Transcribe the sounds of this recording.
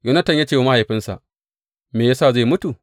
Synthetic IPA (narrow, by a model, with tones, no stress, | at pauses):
ju˦nɐ˦tɐ˨ɲjaː˦t͡ʃeː˦˨wa˦ma˦ha˨ɸɪ˦nsa̰˨ʔ | meː˨jaː˦saː˦˨za˦˨mʊ˦tu˨